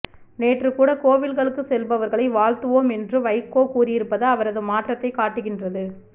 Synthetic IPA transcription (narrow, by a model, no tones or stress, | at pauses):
neːʈrɯkuːɽɐkoːʋɪlɣɐɭɯkːɯsɛlbɐʋɐɾɣɐɭɐɪʋaːɭt̪ɯʋoːmɛndrɯʋɐɪkːoːkuːrɪjɪɾɯpːɐðɐːʋɐɾɐðɯmaːʈrɐt̪ːɐɪkaːʈːɯɣɪndrɐðɯ